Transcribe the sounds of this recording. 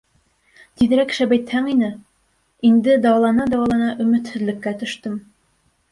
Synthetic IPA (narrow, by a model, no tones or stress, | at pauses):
t̪iðɘ̆ɾækʃæbæjt̪hæŋinɘ | ind̪ɘd̪ɑwɑlˠɑnɑd̪ɑwɑlˠɑnɑʔɵ̆mɘ̆t̪hɘ̆zlɘ̆kːæt̪ɵ̆ʃt̪ɤm